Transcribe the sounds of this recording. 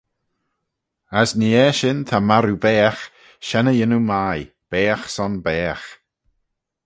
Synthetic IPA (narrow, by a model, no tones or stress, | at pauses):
asniɛːʃɪnt̪ʰamaɾubɛːx | ʃɛnəjɪnumaj | b̥ɛːxsɔnbɛːx